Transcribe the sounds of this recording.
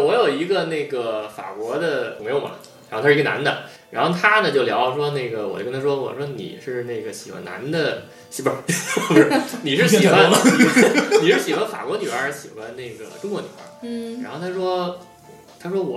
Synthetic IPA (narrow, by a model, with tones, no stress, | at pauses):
wɔ˧˥jo˨˩ʊi˧˥ɡə˧ne˥˩ɪɡə˩fa̰˨˩kwɔ˧˥d̪ə˧˩ŋme˧˥jo˧˩mɐ̰˧˩ | ɻa˧˥o˥˧t̪ʰa˥˧˥ə˧na̰˧˥nd̪ə̰˧ | ɻa˧˥nxo˥˩ʊt̪ʰa˥nə˨t͡ɕjo˥˩ʊljɑ˧˥ʊ˧ʂ̬wɔ˥ne˥˩ɪɡə˩wɔ̰˨˩t͡ɕo˥tʰa˥ʂwɔ˥wɔ̰˨˩ʂwɔ˥nḭ˨˩ʂɻ̩˥˧ne˥˩ɪɡə˩ɕi˨˩xwa̰˧na̰˧˥nd̪ə˧ | ɕi˧˥pə˧˥˧bʂni˨˩ʂ̬ɻ̩˥˩ɕi˨˩xwa˧˥n˩ | i˩ʂɻ̩˥˩ɕi˨˩xwa˧˥nfa̰˨˩kwɔ˧˥ny˨˩ə˞˧˥ɕi˨˩xwa˧˥nne˥˩ɪɡə̰˩ʈ͡ʂʊ˥ŋkɔ˧˥ny˨˩ə̰˧˥ɻa˧˥xo˥˧ʊt̪ʰa˥ʂwɔ˥˩ | t̪ʰa˥ʂwɔ˥wɔ˨˩